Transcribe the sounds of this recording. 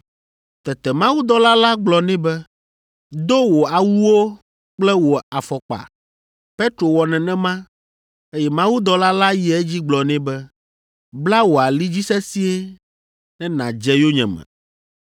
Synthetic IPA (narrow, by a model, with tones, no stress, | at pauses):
t̪ɛ˨t̪ɛ˨mã˦wu˦d̪ɔ˦la˦la˦ɡ͡blɔ˨nɛ̃˦bɛ˦ | d̪o˦wo˨a˨wu˦wo˦ | k͡plɛ˦wo˨a˨fɔ˨k͡pa̰˨ | pe˦t̪ɾo˨wɔ˨nɛ̃˨nɛ̃˦mã˦ | e˦jɛ˦mã˦wu˦d̪ɔ˦la˦la˦jɛ˦ɛ˦d͡ʑi˦ɡ͡blɔ˨nɛ̃˦bɛ˦ | bla˦wo˨a˨li˦d͡ʑi˦sɛ˦si˦e˦ | nɛ̃˦nã̰˨d͡ʒɛ˦jo˦ɲɛ̰̃˨mɛ̰̃˨